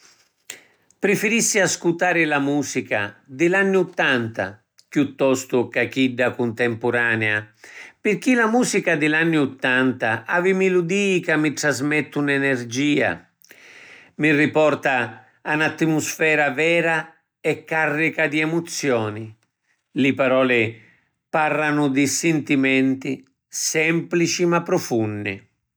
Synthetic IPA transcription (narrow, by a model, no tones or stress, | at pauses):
pɾifiɾisːiaskut̪aːɾɪlamuːsika̰d̪ilanːiut̪ːant̪a̰ | kjut̪ːɔst̪ukak̟iɖːakunt̪ɛmpuɾaːnɛapɪɾk̟ilamuːsikad̪ilanːiut̪ːant̪aʔavimilud̪iːkamːiʈ̪ɾazmɛt̪ːunɛnɛɾd͡ʒiːa̰ | mirːipɔrt̪aː | nat̪ːimusfɛːɾavɛːɾa | ɛkːarːikad̪iɛmut̪sːjɔːni | lɪpaɾɔːlɪ | parːanʊd̪ɪsɛnt̪imɛnt̪i | sɛmplit͡ʃimapːɾɔfunːɪ̰